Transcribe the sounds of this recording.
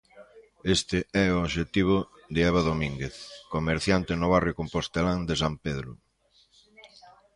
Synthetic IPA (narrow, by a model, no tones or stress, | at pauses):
est̪ɪɛooʃet̪iβ̞ʊ | d̪eɛβ̞aðomĩŋɡeθkomeɾθjant̪ɪnʊβ̞arjʊkompost̪elaŋd̪es̬ampeðɾʊ